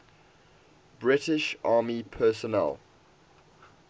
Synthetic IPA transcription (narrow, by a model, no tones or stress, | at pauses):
b̥ɹɪtɪʃʔɑːmipʰɜːˑsɔnɛ̰l